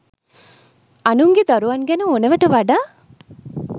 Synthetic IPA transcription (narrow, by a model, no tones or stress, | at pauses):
ɐnuŋɡed̪ɔɾuʋɐnɡɛnuoneʋɐʈuʋaɖaː